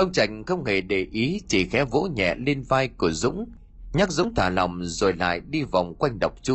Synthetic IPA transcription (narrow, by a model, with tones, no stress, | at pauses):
ʔə˧wŋ͡mt͡ɕa˨˩jŋ̟xə˧wŋ͡mhe˧˩ɗe˨˩ʔi˨˦t͡ɕi˨˩xɛ˨˦vo̰˧˥ɲɛ̰˧˨li˧ənvaː˧jku˧˩əzʊ̰˧˥ŋ͡m | ɲa˦˥k̚zʊ̰˧˥ŋ͡mt̪ʰaː˧˩la˨˩wŋ͡mzo˨˩jla̰ː˧˨jɗi˧va˨˩wŋ͡mkwa˧jŋ̟ɗə˨˩wk͡p̚t͡ɕu˧˦